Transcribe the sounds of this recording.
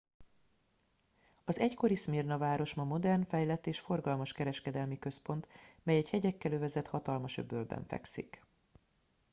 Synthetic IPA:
ɒzɛcko̞ɾismirnɒvaːɾo̞ʃmɒmo̞d̪ɛrnfɛjlɛt̪ːeːʃfo̞rɡɒlmɒʃkɛɾɛʃkɛd̪ɛlmikø̞spo̞nt̪mɛjɛchɛɟɛkːɛløvɛzɛt̪hɒt̪ɒlmɒʃø̰bølbɛ̰ɱfɛ̰ksḭk

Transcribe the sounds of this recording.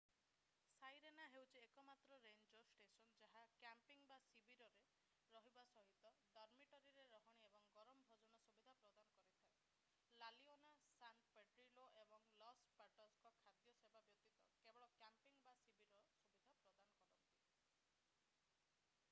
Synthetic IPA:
sajɾenaɦewt͡ʃʰiekɔmat̪ɾɔɾeɲd͡ʒɔsʈesɔnd͡ʒaɦakjampiŋbasibiɾɔɾe | ɾɔɦibasɔɦit̪ɔd̪ɔɾmiʈɔɾiɾeɾɔɦɔɽ̃iebɔŋɡɔɾɔmɔbʱɔd͡ʒɔnɔsubid̪ʱapɾɔd̪anɔkɔɾit̪ʰae | lalionasanʈpeʈɾiloʔebɔŋlɔspaʈɔskɔkʰad̪jɔsebʱabjɔt̪ːit̪ɔkebɔɭɔkjampiŋbasibiɾɔsubid̪ʱapɾɔd̪anɔkɔɾɔnt̪i

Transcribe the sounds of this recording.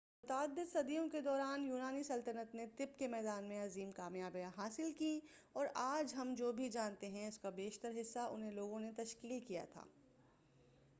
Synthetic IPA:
mʊt̪aːd̪ːɪd̪sɐd̪ijõked̪ɔːɾaːnjuːnaːnisɐlt̪ənət̪net̪ɪpkemɛːd̪aːnmẽɐziːmkaːmjaːbjãɦaːsɪlki | ɔːɾaːd͡ʒɦɐmd͡ʒoːbʱid͡ʒaːnt̪eɦɛ̃ʊskabeːʃt̪əɾɦɪsːaʔʊ̰nɦẽloːɡõnet̪ɐʃkiːlkːija̰t̪ʰa̰ː

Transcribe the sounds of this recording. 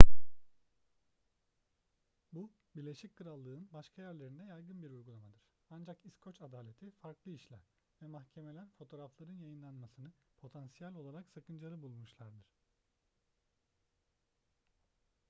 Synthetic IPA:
bu | biɾlʲe̞ʃic̚kʰɯɾalˠːɯːɯnbaʃkʰajæɾlʲe̞ɾind̪ɛjajɡɯnbiɾujɡulˠamad̪ɯɾ̥ | and͡ʒakiskʰo̞t͡ʃad̪aːlʲe̞t̪ʰifaɾklˠɯiʃlʲæ̰ɾ | vɛmaxcʰe̞melʲæɾfo̞t̪ʰo̞ːɾaflˠaɾɯnjajɯnlˠanmasɯnɯpʰo̞t̪ʰansijalʲo̞lˠaɾaksakʰɯnd͡ʒlaɾˠɯbulˠmuʃlˠaɾd̪ɯɾ̥

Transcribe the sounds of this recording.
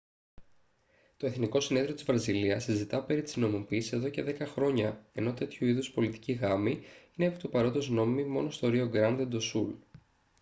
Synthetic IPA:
t̪o̞e̞θniko̞sine̞ðɾiot̪izvɾɐziliɐsizit̪ɐpe̞ɾit̪i̥zno̞mupiːsise̞ðo̞ce̞ðe̞kɐxɾo̞ɲɐe̞no̞t̪e̞t̪çuiðuspo̞lit̪i̥ciɣɐmiinepi̥t̪upɐɾo̞t̪ozno̞mimimo̞no̞st̪oɾio̞ɡɾɐnd̪ed̪o̞sul

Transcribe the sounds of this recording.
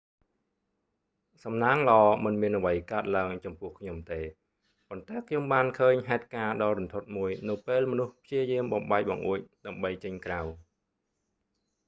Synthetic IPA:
sɑmnaːŋlɑːmɨnmiənʔɔʋəjkaət̪̚laəŋt͡ɕɑmpʊ̆əhkʰɲomt̪eː | pont̪aɛkʰɲomɓaːnkʰəːɲɦaɛt̪̚kaːɗɑːɾunt̪ʰot̪̚muəjnɨwpeːlmɔnuhpʰjiəjiəmɓɑmɓaɛc̚ɓɑ̰ŋʔuəc̚ɗaəmɓəjt͡ɕəɲkraw

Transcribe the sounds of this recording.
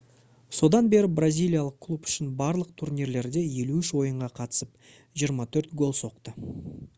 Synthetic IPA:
so̞d̪ɑnbe̞ɾɪbrazʲijlʲijalˠəq̚kʰlˠupʏ̥ʃɪnbɑɾlˠəq̚t̪ʰuɾnʲiɾle̞ɾd̪e̞je̞luʏʃwo̞jəɴʁɑqʰɑt̪ə̥səp | ʒijəɾmɑt̪ʰɵɾt̪ɡo̞lˠso̞qt̪ə

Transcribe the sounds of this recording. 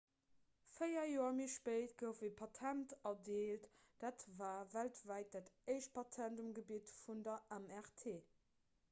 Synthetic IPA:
fəɪjɐjoːɐmiːʃpəɪtɡəʊfəpʰɑtʰæntɑdeːlt | d̥aːtvaːvæltvæɪt̚d̥atəɪʃt̚pʰɑtʰæntumɡəbiːtfundɐʔæmɛʁtʰeː

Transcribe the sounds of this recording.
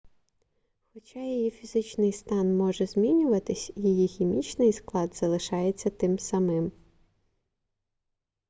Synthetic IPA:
xɔt͡ʃɑjijifʲizɪt͡ʃnɪjst̪ɑnmɔʒɛzʲmʲinʲʊʋɐt̪ɪsʲjijixʲimʲit͡ʃnɪjsklˠɑd̪z̥ɐlˠɪʃɑjet͡sʲːɐt̪ɪmsɐmɪm

